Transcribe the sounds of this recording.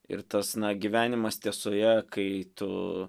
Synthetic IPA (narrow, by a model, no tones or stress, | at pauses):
ɪ̰ɾt̪ɐsnɐɡʲiʋʲæːnʲɪmɐst̪ʲiɛsoːjɛkɐɪt̪ʊ̰